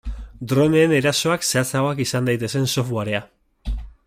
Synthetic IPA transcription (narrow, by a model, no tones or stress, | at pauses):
d̪ɾo̞neːne̞ɾaso̞akseat͡saɣo̞akisand̪ajt̪e̞se̞nso̞fwaɾea